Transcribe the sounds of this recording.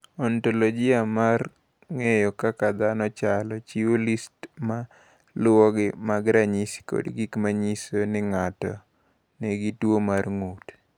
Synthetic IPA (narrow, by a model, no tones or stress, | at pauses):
ɔntolod͡ʒɪamar | ŋejɔkakad̪anɔt͡ʃalɔt͡ʃiwolistma | lwɔɡɪmaɡɾaɲisko̰dɡikmaɲisonɪŋatɔ̰ | neɡitwomarŋut